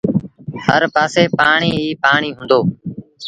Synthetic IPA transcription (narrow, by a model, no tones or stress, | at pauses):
həɾpaːseːpaːɳiːiːpaːɳiːɦʊ̃ːnd̪oː